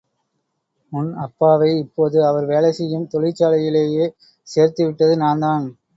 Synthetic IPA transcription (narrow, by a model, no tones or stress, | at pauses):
ʊnɐpːaːʋɐɪɪpːoːðɯɐʋɐɾʋeːlɐsɪjɯmt̪ɔɭɪt͡ʃːaːlɐjɪleːjeː | seːɾt̪ɯʋɪʈːɐðɯnaːnd̪aːn